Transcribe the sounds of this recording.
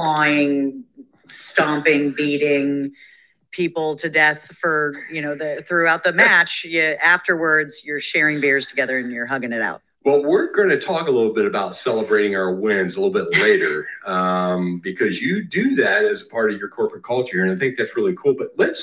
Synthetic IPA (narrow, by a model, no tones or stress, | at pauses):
aɪɪ̃ŋ | stɑ̃mpɪ̃ŋbiɾɪ̃ŋ | pʰipl̩ˠtʰɨdɛθfə˞jɨnoʊðɨθɹʉaʊt̪̚ðɨmæt͡ʃjɨʔæftə˞wə˞dz̥jə˞ʃɛɹɪ̃ŋbɪɹz̥tʰɨɡɛðə˞ɨ̃njə˞ɦʌɡɪ̃ŋɨɾa̰ʊt̚wɛlˠwɪɹɡoɪ̃ŋtʰɨtʰɔkəlɪɾl̩ˠbɪɾɨbaʊtsɛlˠəbɹeɪɾɪ̃ŋaʊə˞wɪ̃nzəlɪɾl̩ˠbɪtˡlleɪɾə˞ʌ̃mbɨkʰʌzjɨdɨðæɾɨzəpʰɑɹɾʌvjə˞kʰɔɹpɨkʰʌlˠt͡ʃə˞ɨ̃naɪθɪ̃ŋk̚ðætsɹɪlˠikʰulˠbʌt̚ˡlɨts